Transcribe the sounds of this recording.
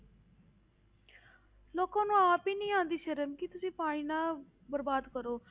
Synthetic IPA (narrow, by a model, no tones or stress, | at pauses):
loːkãːnũːaːpiːnĩːãːnd̪iːʃəɾəmkɪt̪ʊsĩːpaːɽ̃ĩːnãː | bəɾbaːd̪kəɾoː